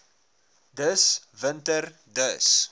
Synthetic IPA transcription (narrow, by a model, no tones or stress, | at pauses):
dəsvəntərdəs